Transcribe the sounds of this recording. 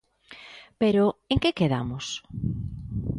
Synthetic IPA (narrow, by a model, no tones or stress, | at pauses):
peɾoeŋkekeða̰mʊs